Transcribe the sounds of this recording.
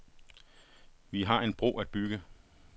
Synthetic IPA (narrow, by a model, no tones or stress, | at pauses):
ʋiɦɑ̈e̝nb̥ʁo̝̰ːæd̥̚b̥yɡ̥ə